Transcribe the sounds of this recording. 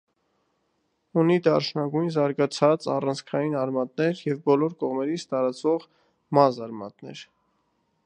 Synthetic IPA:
unid̪ɑrʃnɑɡujnzɑɾɡɑt͡sʰɑt͡sɑ̰rɑnt͡sʰkʰɑjinɑɾmɑt̪̚nɛɾjɛvbɔlɔɾkɔʁmɛɾit͡sʰt̪ɑɾɑt͡svɔʁ | mɑzɑɾmɑ̰t̪nɛ̰ɾ

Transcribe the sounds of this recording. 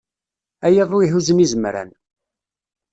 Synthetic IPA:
æjəðˤʊiɦuzənizəmɾæ̰n

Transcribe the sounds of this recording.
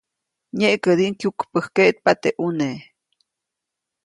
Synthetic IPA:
ɲeʔkəd̪iʔŋkjukpəhkeʔt̪̚pat̪eʔune

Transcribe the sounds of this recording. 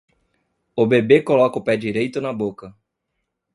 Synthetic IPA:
ʊbebekolɔkɐʊpɛd͡ʒiɾejt̪ʊnɐbokɐ

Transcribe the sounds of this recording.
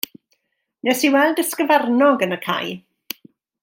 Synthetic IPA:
nɛsiwɛlˠdəskəvɛrnɔɡənəkʰa̰j

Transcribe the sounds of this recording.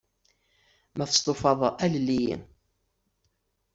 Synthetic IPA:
mæθə̥st̪ˤofɑðˤæləlːijḭ

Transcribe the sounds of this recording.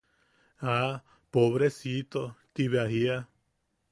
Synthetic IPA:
a | poβɾesit̪ot̪iβeahia

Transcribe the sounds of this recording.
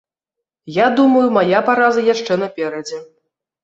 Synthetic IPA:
jad̪umɐjumajapaɾazɐjaʂt͡ʂɛnɐpʲɛɾɐd͡zʲɛ

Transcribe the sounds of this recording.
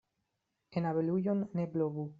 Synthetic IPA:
enaβelujonːebloβu

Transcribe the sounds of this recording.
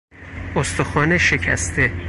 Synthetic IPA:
ost̪oxɒːneʃe̞cʰæ̰st̪ʰe

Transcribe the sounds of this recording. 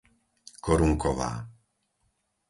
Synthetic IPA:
kɔɾuŋkɔʋa̰ː

